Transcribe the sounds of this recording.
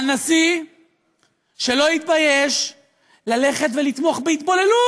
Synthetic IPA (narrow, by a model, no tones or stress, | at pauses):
nasi | ʃe̞lo̞it̪̚bajeʃ | lale̞χet̪velit̪moχbeit̪bo̞le̞lu